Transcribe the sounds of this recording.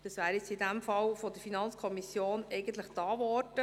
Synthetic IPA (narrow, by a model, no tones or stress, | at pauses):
d̥ɑsʋæːɾjɪt͡sidæmfɑlfɔd̪əɾfinɑnt͡skʰɔmisjoːnɛɪɡənt̪ləχtɑːvɔrd̥ə